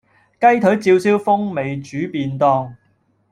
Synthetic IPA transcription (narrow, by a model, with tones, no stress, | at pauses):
kɐ˥jt̪ʰɵ˨˥ɥt͡siː˧wsiː˥wfʊ˥ŋme˨jt͡ʃyː˨˥piː˧nt̪ɔː˧ŋ